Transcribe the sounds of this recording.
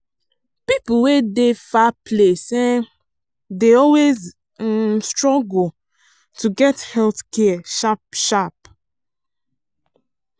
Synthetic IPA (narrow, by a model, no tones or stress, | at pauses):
pipuwedefapʰlesɛ | deɔlwez | stɹɔɡ | tʰuɡɛthɛlθkɛʃapʃap